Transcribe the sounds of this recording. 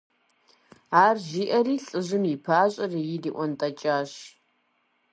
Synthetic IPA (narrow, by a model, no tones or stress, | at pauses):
aːrʒiːʔɐriːɬʼɨʑɪmipʰaːɕʼɐrijɪdiːʔʷɔntʼɐt͡ʃʼaːɕ